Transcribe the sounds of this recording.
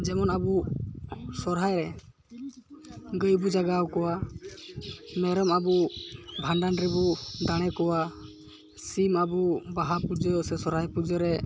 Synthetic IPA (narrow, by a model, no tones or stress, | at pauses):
d͡ʒɛmɔnabu | sɔɾɦajɾɛ | ɡəjbud͡ʒaɡawkɔwa | mɛɾɔmabubʱanɖanɾɛbud̪aɽ̃ɛkɔwa | simabubaɦapud͡ʒɔsɛsɔɾɦajpud͡ʒɔɾɛ